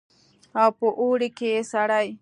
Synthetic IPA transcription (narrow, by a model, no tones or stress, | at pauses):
awpoʔuːɽikesaɽaj